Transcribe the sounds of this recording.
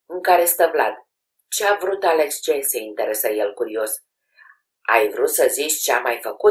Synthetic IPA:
ɨŋkaɾe̞st̪əvla̰t̪ | t͡ʃeavɾut̪alekst͡ʃeseint̪eɾesəjelkuɾio̞s | a̰jvɾut̪səzit͡ʃʲt͡ʃeamajfəku

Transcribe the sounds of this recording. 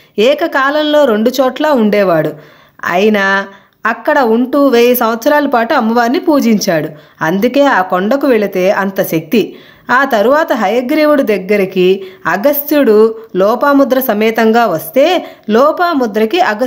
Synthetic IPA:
ɛːkɐkaːlɐmlo̞ːɾeɳɖut͡ʃɔːʈlaːuɳɖɛːʋaːɽu | ɐ̰jinɐː | kːɐɽɐuɳʈuːʋeːjisɐmʋɐt̪sɐɾaːlɐpaːʈuɐmːɐʋaːnːipuːd͡ʒiɲt͡ʃaːɽu | ɐnd̪uke̞ːaːkoɳɖɐkuʋeɭit̪e̞ːʔɐnt̪ɐʃɐk̚t̪i | aːt̪ɐɾuʋaːt̪ɐɦɐjɐɡɾiːʋuɽud̪ɐɡːɐɾikiɐɡɐst̪juɽulɔːpaːmud̪ɾɐsɐmɛːt̪ɐŋɡaːʋɐst̪e̞ːlɔːpaːmud̪ɾɐkiʔɐɡɐ

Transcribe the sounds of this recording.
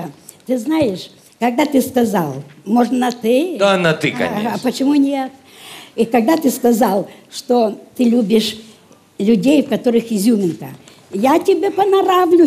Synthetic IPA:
t̪ɨznajɪʂ | kɐɡ̚d̪at̪ɨskɐza̰lˠmoʐnnɐt̪ɨɪanɐt̪ɨkɐ̰ɐpət͡ɕɪmunʲet̪ | ikɐɡ̚d̪at̪ɨskɐzalˠʂt̪ot̪ɨlʲubʲɪʂ | lʲʊdʲejfkɐt̪oɾɨxɪzʲumʲɪnkə̰ | jatʲɪbʲepɐnɐɾavlʲʊ

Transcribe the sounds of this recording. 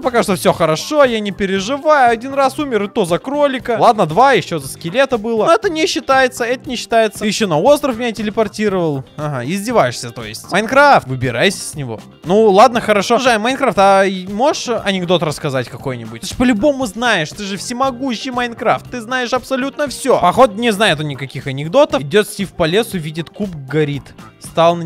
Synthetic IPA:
pɐkat̪ofsʲoxəɾɐʂojanʲɪpʲɪɾʲɪʐɨvajʊɐdʲinrasumʲɪɾɨt̪ozɐkɾolʲɪkəlˠad̪nəd̪vajɪɕːo̞zəskʲɪlʲet̪əbɨlˠəɛt̪ənʲɪɕːɪt̪ajɪt̪səɛt̪ənʲɪɕːɪ̥t̪ajɪt̪səjɪɕːonɐo̞st̪ɾəfmʲɪnʲatʲɪlʲɪpɐrtʲiɾəvəlˠɐɦaɪzʲdʲɪvajɪʂsʲət̪o̞̰jɪ̰sʲtʲmɐjnkɾaft̪vɨbʲɪɾajsʲə̥sʲnʲɪvo̞̰ | nulˠad̪nəxəɾɐʂoʐmɐjnkɾaft̪ɐmo̞ʂɐnʲɪɡd̪o̞t̪rəskɐzatʲkɐko̞jnʲɪbʊt̪ʲʂpəlʲʊbo̞mʊznajɪʂt̪ɨʐɨfsʲɪmɐɡuɕːɪjmɐjnkɾaft̪ːɨznajɪʂɐpsɐlʲut̪nəfsʲopɐxo̞t̪̚nʲɪznajɪt̪ʊnʲɪkɐkʲixɐnʲɪɡd̪o̞t̪əfɪdʲo̞t̪sʲtʲifpɐlʲe̞sʊvʲidʲɪt̪kupɡɐɾʲit̪st̪alˠn

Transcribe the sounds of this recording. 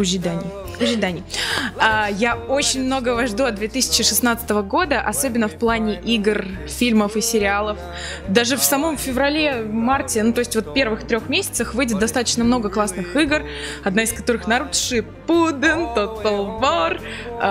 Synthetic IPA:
ʊʒʲɪd̪anʲɪ | ʊʒʲɪd̪anʲɪajao̞t͡ɕɪnʲmno̞ɡəvɐʐd̪uɐd̪d̪vʲet̪ɨsʲɪ̥t͡ɕɪʂɨsnat̪sə̥t̪əvəɡo̞d̪əʔɐso̞bʲɪnːəfplˠanʲɪʔiɡr | fʲilʲməfɨsʲɪɾʲɪalˠəf | d̪aʐɨfsɐmo̞mfʲɪvɾɐlʲemartʲɪnut̪o̞ɪsʲtʲvo̞t̪pʲe̞rvɨxt̪ɾʲo̞xmʲesʲɪ̥t̪səxvɨjdʲɪt̪̚d̪ɐst̪at̪ə̥t͡ɕnəmno̞ɡəklˠasnɨxiɡər | ɐd̪naɪskɐt̪o̞ɾɨxnɐɾut̪ʂɨ | pud̪ɨnt̪ot̪ːəlˠvor

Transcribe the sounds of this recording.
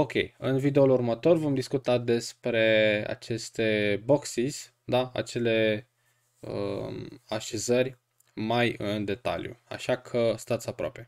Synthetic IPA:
o̞kʲe̞̰jɨnvid̪eulurmət̪o̞rvo̞md̪iskut̪ad̪e̞spɾe̞a̰t͡ʃe̞st̪e̞bo̞ksis | d̪aa̰t͡ʃe̞le̞ | ə̰ | aʃe̞zərʲ | majɨnd̪e̞t̪a̰ljṵa̰ʃakʰəst̪at̪sapɾoa̰pe̞

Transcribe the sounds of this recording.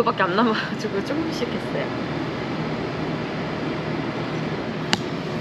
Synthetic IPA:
ɯbak͈eanːamad͡ʑiɡot͡ɕ͈ok͈ɯmɕ͈ikʰes͈ʌjo̰

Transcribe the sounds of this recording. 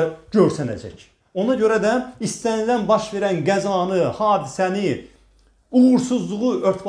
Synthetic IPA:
ɟøɾsænæ̰d͡ʒæ̰c | o̞nɑɟø̞ɾæd̪æist̪ænilænbɑʃve̞ɾænɡæzɑːnɯhɑːd̪isæni | uʁuɾsuzlˠuʁuøɾt̪ʰb

